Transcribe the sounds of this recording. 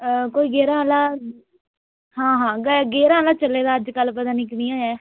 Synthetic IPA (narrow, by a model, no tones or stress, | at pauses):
koːiːɡeːɾaːɦlaː | ɦãːɦãːɡɡeːɾãːɦlaːt͡ʃəleːd̪aːəd͡ʒkəlpəd̪aːniːkɽiːaːjɛː